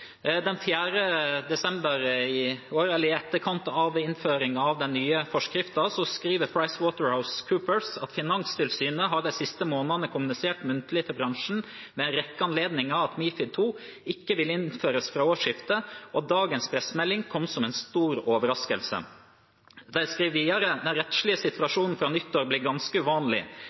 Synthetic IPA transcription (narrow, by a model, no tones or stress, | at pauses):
d̪ɛnfjæːɾəd̪ɛsɛmbəɾɪoːɾɛlːəɾɪɛt̪ːəɾkʰɑnt̪ɑʋɪnføːɾɪŋɑʋd̪ɛnːyːəfɔʂkɾɪft̪ɑsɔskɾiːʋəpʰɹɑɪswoːt̪əɹhaʊskʰʉːpəɹsɑt̪fɪnɑŋst̪ʰɪlsyːnəɦɑd̪æɪsɪst̪əmoːnənəkʰʊmʉnɪseːʈmʉnt̪əlɪt̪ʰɪbɾɑŋʂn̩ | mɛɛnɾɛkːəɑnleːd̪nɪŋɑʋɑt̪miːfɪd̪̚t̪ʰuː | ɪkːəʋɪlːəɪnføːɾəsfɾɑːoːʂɪft̪əʔɔd̪ɑːɡənspʰɾɛsmɛlːɪŋkʰɔmsɔmɛnst̪uːɾoːʋəɾɑskəlsə̰ | d̪æɪskɾiːʋʋiːd̪ɑɾəd̪æɾɛt̪ʃlɪəsɪt̪ʉɑʂuːnn̩fɾɑːnʏt̪ːoɾbliːɾɡɑnskəʉʋɑːnlɪ̰